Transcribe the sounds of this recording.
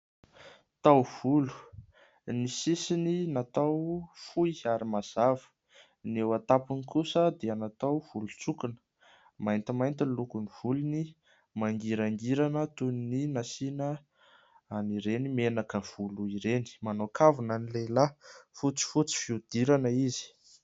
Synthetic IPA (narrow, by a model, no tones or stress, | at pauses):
t̪awv̥ulu̥ | nisisininat̪awfuiaɾimaz̥avə̥ | newat̪apinikusəd̪eanat̪awv̥ulut͡sukinə̥ | majnt̪imajnt̪ilukuniv̥uluni | maŋɡiɾaŋɡiɾanət̪unininasinə | aniɾenimenakəv̥uluiɾeni̥manokavunanilejlafut͡si̥fut͡si̥fiud̪̥iɾanəizi̥